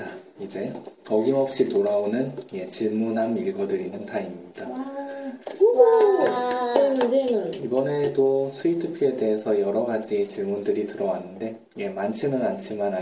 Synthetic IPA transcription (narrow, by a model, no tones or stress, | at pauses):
aid͡ʑe̞kʌɡimʌp̚ɕ͈itoɾaonɯnje̞t͡ɕiɭmunɦamiɭɡʌdɯɾinɯntaimɲid̥a | t͡ɕemunt͡ɕemunibʌne̞dosʰuitʰɯpʰie̞de̞ɦesʰʌjʌɾʌɡad͡ʑit͡ɕiɭmundɯɾitɯɾʌwanːɯnde̞ | je̞mant͡ɕʰimɯnant͡ɕʰimana